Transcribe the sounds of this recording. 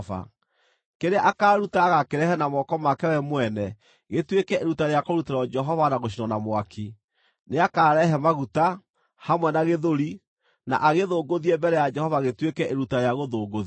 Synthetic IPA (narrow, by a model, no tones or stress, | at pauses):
va̰ | keɾeaʔakaːɾutaːɣakeɾɛhɛnamɔkɔmakɛwɛmwɛnɛ | ɣetwekɛʔeɾutaɾeakoɾuteɾɔd͡ʒɛɦɔvanaɣoʃ̬inɔnamwakʰi | neakaːɾɛɦɛmaɣuta | hamwɛnaɣeðoɾi | na̰ʔaɣeðoːɡoðiɛbɛɾɛjad͡ʒɛhɔvaɣetwekɛʔeɾutaɾeaɣoðoːɡoð